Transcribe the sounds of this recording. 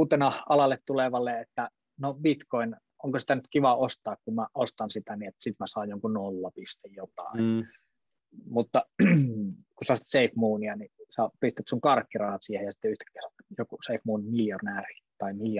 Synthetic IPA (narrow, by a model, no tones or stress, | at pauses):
uːt̪enɑɑlɑlːet̪t̪uleʋɑlːeet̪ːæ | nobit̪koin | oŋkosi̥t̪ænyt̪kiʋɑost̪ɑːkkumæʔost̪ɑnsit̪æniet̪ːsit̪mæsɑːjjoŋkunolːɑpist̪ejjot̪ɑ̰ˑin | mut̪ːɑ | kusɑsi̥t̪seifmuːniɑnisɑpist̪et̪suŋkɑrkːirɑhɑt̪siehejɑsi̥t̪ːeyht̪æ̥kːesɑt̪jokuseifmuːnimiljonæːri̥t̪ɑimiljo